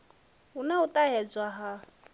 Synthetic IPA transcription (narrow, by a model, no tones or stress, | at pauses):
unaut̪ʼaɦɛd͡zwaɦa